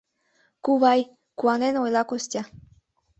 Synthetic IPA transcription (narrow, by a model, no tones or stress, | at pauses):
kuβɑj | kuɑnenojlɑkostʲɑ